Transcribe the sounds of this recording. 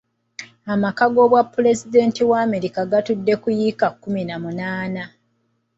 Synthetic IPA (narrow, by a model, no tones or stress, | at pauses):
amakaɡo̞βwapːule̞zide̞ːntiwaːme̞ɾikaɡatudːe̞kujikakːuminamunaːna